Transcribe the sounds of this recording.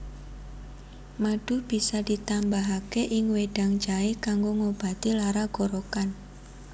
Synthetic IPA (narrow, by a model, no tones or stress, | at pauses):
maɖ̥ṳb̥i̤sad̥it̪ambaɦakeʔɪŋweɖ̥a̤ŋd͡ʒaekaŋɡoŋob̥a̤t̪ilaɾaɡ̥oɾokan